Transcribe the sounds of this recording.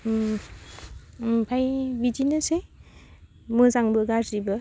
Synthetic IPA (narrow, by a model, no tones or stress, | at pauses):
pʰajbid͡ʒinɯse | mɯzaŋbɯɡaɾɾibɯ